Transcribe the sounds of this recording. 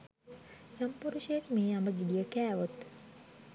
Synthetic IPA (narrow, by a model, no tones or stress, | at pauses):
jampuɾuʃijekmeːambəɡidijəkæːʋot̪